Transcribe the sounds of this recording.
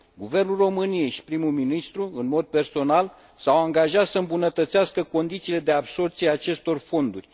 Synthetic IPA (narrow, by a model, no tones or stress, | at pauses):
ɡuve̞rnulro̞mɨnieʃpɾimulminist̪ɾuɨnmo̞d̪̚pe̞rso̞nal | sawaŋɡaʒat̪səɨmbunət̪ət̪seaskəko̞nd̪it̪siːle̞d̪e̞abso̞rt̪siaːt͡ʃe̞st̪o̞rfo̞nd̪urʲ